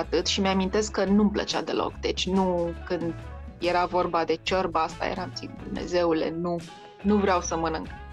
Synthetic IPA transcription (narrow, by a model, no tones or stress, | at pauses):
at̪ɨt̪ʃimeamint̪e̞skkːənumplə̰t͡ʃad̪e̞̰lo̞̰kd̪e̞t͡ʃʲnukɨnd̪je̞ɾavo̞rbad̪e̞t͡ʃərbəast̪a̰jḛɾant̪sikd̪umnḛze̞ule̞̰nu | nuvɾeawsəmənɨŋk